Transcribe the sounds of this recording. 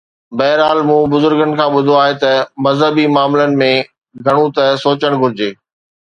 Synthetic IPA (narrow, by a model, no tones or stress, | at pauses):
bɐɦɪɾaːlmũːbʊzʊɾɡənɪ̆kʰãːɓʊd̪ʱoaːɦet̪ɐmɐzɦəbimaːmlənɪ̆mẽ | ɡʱɐɽ̃ũt̪ɐsoːt͡ɕəɽ̃ɡʱʊɾɪd͡ʑeː